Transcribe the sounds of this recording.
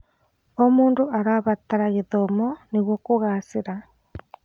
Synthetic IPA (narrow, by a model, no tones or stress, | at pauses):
omuːndoʔaɾaβataɾaɣeðomɔneɣwɔkoɣaseɾa